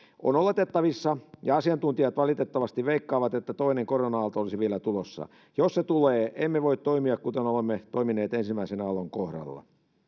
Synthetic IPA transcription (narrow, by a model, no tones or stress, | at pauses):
ʔo̰nolet̪et̪ːɑʋisːɑjɑɑsiɑnt̪unt̪iɑt̪ʋɑlit̪et̪ːɑʋɑst̪iʋʋeikːɑːʋɑt̪et̪ːæt̪oineŋkoronɑɑlt̪ɑolisiʋielæt̪ulosːɑ̰ | josset̪uleːʔemːeʋoit̪t̪oimiɑkkut̪enolemːet̪oimineːt̪ensimæisenɑloŋkohɾɑ̰lːɑ̰